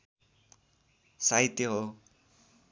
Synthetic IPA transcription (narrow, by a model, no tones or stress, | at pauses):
saɦit̪jʌɦo